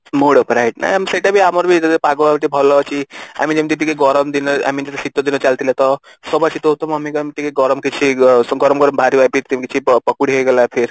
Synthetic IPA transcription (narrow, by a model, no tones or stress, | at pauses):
moɽɔpɾajʈna̰jamiseʈabʱiamɔɾbʱit̪ed̪epaɡɔabʈ̪ibʱɔlɔkia̰mind͡ʒemit̪iʈ̪̬ikeɡɔɾɔmd̪inɔa̰mint̪et̪esit̪ɔd̪inɔt͡ʃalt̪ilat̪ɔ | sɔbasit̪oɦot̪omamikmit̪ikeɡɔɾɔmkit͡ʃʰiɡɔɾɔmɡɔɾɔmbʱaɾibapʰiɾt̪imikit͡ʃʰipəkuɽiɦeɡelapʰiɾ